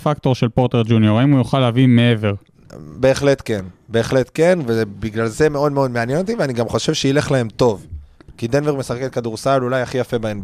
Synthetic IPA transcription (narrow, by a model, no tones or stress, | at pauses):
fakt̪o̞ʁʃelpo̞ʁt̪eʁd͡ʒunjoʁaimujoχalavimeeve̞ʁ | be̞ːχle̞t̪ke̞nbe̞ːχle̞t̪ke̞nvebiɡlalze̞me̞o̞d̪meo̞d̪meanjeno̞t̪iveaniɡamχo̞ʃe̞vʃeile̞χlae̞mt̪o̞vkid̪enveʁmesaχeket̪kad̪uʁsalulajaχijafe̞baenb